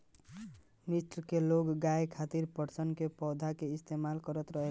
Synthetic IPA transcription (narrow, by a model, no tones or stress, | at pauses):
misʈɾkeloɡɡajkʰat̪iɾpəɾsənkepɔd̪ʱakeist̪emalkəɾət̪ɾəɦel